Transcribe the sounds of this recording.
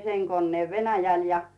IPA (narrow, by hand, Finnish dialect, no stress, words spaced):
seŋ konːeːʋ ʋenæjæl jɑ